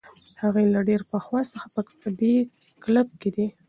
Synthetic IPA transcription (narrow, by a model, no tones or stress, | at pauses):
haɣejlaɖeɾpəxwɑst͡səxḁpə | əd̪e | kləb̚ked̪i